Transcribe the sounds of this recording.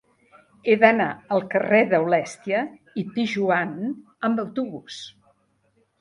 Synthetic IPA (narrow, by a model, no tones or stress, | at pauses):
eðənaəlˠkəreðəwlɛst̪iə | ipiʒuan | əmbəwt̪uβus